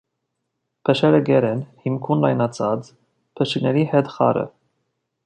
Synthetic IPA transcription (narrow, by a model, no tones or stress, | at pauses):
pʰəʃɛɾəɡɛɾɛnhimkʰunlɑjnɑt͡sʰɑt͡s | pʰəʃiknɛɾihɛt̪χɑ̰ɾə̰